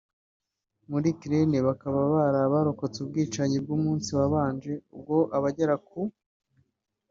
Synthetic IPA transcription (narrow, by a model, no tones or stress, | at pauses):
muɾikɾe̞neβakaβaβaɾaːβaɾoko̞t͡sub̚ɡiːt͡ʃaɲib̚ɡuːmuːnsiβaβaːnd͡ʒe̞ub̚ɡo̞ʔaβaɟaɾak̚u